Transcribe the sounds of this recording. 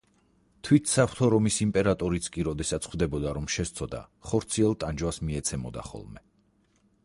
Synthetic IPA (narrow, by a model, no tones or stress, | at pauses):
t̪ʰwit̪ʰsapʰɾt̪ʰɔɾɔmisimpʼɛɾat̪ʼɔɾit̪sʰkʼiɾɔd̪ɛsat̪sʰχwd̪ɛbɔd̪aɾɔmʃɛst̪sʰɔd̪a̰χɔɾt̪sʰiɛlˠt̪ʼand͡ʒwasmiɛt̪sʰɛmɔ̰d̪a̰χɔ̰lˠmɛ